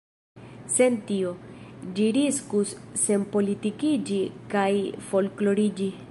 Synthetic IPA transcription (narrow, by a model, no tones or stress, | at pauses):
se̞ntio̞d͡ʒiɾiskusːe̞npo̞litikid͡ʒikajfo̞lklo̞ɾid͡ʒi